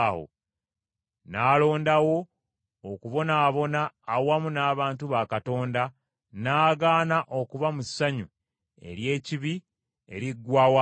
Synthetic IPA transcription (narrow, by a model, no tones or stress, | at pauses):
ho̰ | naːlo̞ːndawo̞ː | kuβo̞naːβo̞naːwamunaːβaːntuβakato̞ːnda | naːɡaːnaʔo̞kuβamusːaɲu | e̞̰ɾje̞ːciβi | e̞̰ɾiɡwaːwa